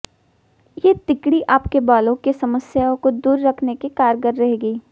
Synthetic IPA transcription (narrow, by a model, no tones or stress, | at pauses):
jeːt̪ɪkɽiʔaːpkebaːlõkesɐməsjaːõkod̪uːɾːɐkʰnekekaːɾɡəɾːɐɦeɡiː